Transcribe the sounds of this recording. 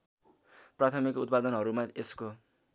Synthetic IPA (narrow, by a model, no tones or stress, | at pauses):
prat̪ʰʌmikut̪̚pad̪ʌnɦʌɾumaesko